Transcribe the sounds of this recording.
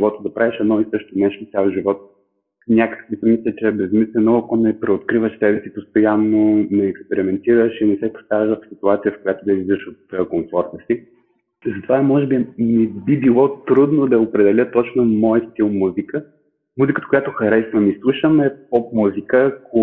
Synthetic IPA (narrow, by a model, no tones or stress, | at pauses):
vˠɔt̪əd̪ɐpɾaviʃɛd̪nɔist̪əʃt̪onɛʃt̪ot̪sʲjalˠʒivɔt̪̚ | nʲakə̥kvisəmislʲət͡ʃɛbɛzmislɛnoɐkonɛpɾɛot̪kɾivəʃsɛbɛsipost̪ojanːonɛːkspɛɾimɛnt̪iɾəʃinɛsɛpo̥st̪avɛʒvɐfsit̪uat̪sijəfkojat̪od̪ɐiid̪əʃot̪koɱfɔɾt̪əsi | zɐt̪ovamɔʒɛbinɛbibilˠɔt̪ɾud̪nod̪ɐopɾɛd̪ɛlʲət̪ɔt͡ʃnomɔjəst̪ilˠmuzikə | muzikət̪ə̥kojat̪oxɐɾɛsvəmislˠuʃəmɛpɔp̚muzikəːko